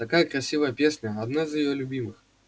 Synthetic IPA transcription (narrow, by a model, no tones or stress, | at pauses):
t̪akajɐkɾasʲivɐjɐpʲesʲnʲɐad̪naizʲjɪjɔlʲubʲimɨx